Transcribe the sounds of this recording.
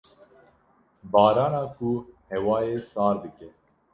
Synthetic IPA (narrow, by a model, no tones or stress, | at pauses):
bɑːɾaːnaːkʰuhɛwɑːjeːsaːɾd̪ɨkɛ